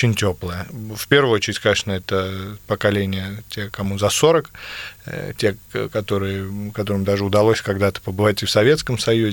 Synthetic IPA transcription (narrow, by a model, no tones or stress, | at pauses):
ot͡ɕɪnʲtʲoplˠəjəfʲpʲe̞rvʊɨot͡ɕɪɾʲɪtʲkɐnʲeʂnəɛt̪əpəkɐlʲenʲɪjətʲekɐmuzɐso̞ɾək | tʲekɐt̪o̞ɾɨjɪkɐt̪o̞ɾɨmd̪aʐɨʊd̪ɐlˠosʲkɐɡd̪at̪ə̥pəbɨvatʲɪfsɐvʲet̪skəmsɐjuzʲɪ